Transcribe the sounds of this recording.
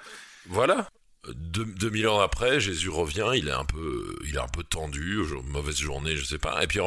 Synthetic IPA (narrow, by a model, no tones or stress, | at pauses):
vwala | d̪ød̪əmilɑ̃ʁapχɛʒezyʁəvjɛ̃ilɛɛ̰̃pø̰ilɛ̰ɛ̃pøt̪ɑ̃d̪yoʒmɔvɛzʒuʁneʒəsɛpa̰ḛpɥiɑ̃